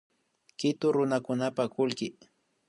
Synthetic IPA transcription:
kɪt̪ʊɾʊnakʊnapakʊlkɪ

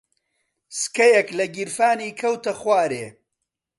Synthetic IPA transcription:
skɐjɐklɐɡiɾfaːniːkʰɐwt̪ɐχwaːɾeː

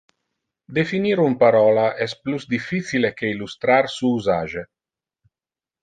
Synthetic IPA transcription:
d̪efiniɾumpaɾɔːlaʔɛspluzd̪ifːit̪silekeilust̪ɾarsuuzaːʒe

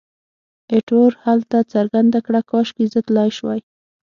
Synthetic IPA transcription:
eʈoɾhalt̪at͡saɾɡand̪akɽakɑʃkizət̪lɑjʃwaj

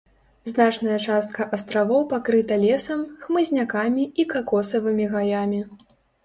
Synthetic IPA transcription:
znat͡ʂnɐjɐt͡ʂast̪̚kɐʔɐst̪ɾavɔwpakɾɨt̪ɐlʲɛsɐmxmɨzʲnʲakamʲiikakɔsɐvɨmʲiɣajamʲi

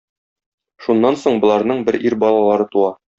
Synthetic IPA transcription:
ʃunːɑnsoɴbŏlˠɑɾn̪ɤɴbɘɾʔiɾbɒlˠɑlˠɑɾɤt̪uɑ

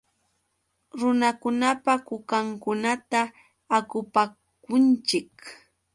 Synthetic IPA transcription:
ɾʊnakʊnapakʊkaŋkʊnat̪aː | kʊpa | kʊnt͡ʃɪk

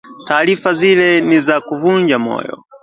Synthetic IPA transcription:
taːɾifazilɛnizakuvund͡ʒamɔ̰ːjɔ̰

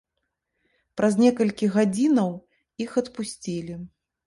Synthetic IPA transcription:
pɾɐzʲnʲɛkɐlʲkʲiɣad͡zʲinɐw | ixɐt̪pusʲt͡sʲilʲi

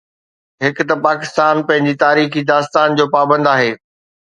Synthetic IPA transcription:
ɦɪkt̪ɐpaːkɪst̪aːnpɐ̃ɦɪ̃ɲd͡ʑit̪aːɾiːxid̪aːst̪aːnd͡ʑoːpaːbə̃nd̪aːɦeː

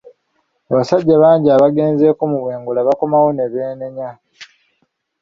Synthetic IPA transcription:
aβasaɟːaβaːɲɟiaːβaɡe̞ːnze̞ːkumuβwe̞ːŋɡulaβako̞mawone̞βeːneɲa

